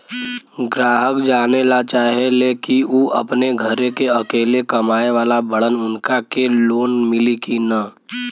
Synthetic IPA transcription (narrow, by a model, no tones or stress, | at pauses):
ɡɾaːɦəkd͡ʒaːnelat͡ʃaːɦeleːkiuʔɐ̰pneɡʱəɾekeɐkeːlekɐmaːeʋaːlabəɽənʊnkakeloːnmɪlikina